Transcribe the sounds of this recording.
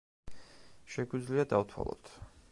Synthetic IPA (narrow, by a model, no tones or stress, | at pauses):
ʃɛɡwid̪zliad̪awt̪ʰwa̰lˠɔ̰t̪ʰ